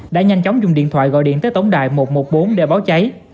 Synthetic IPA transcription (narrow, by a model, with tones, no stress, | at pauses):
ɗa̰ː˧˥ɲa˧jŋ̟t͡ɕɔ˨˦wŋ͡mzʊ˨˩ŋ͡mɗḭ˧˨ənt̪ʰwa̰ː˧˨jɣɔ̰˧˨jɗḭ˧˨ənt̪əː˨˦jt̪ə˨˦wŋ͡mɗa̰ː˧˨jmo˨˩t̚mo˨˩t̚ɓo˨˦nɗe˧˩ɓaː˨˦wt͡ɕa˨˦j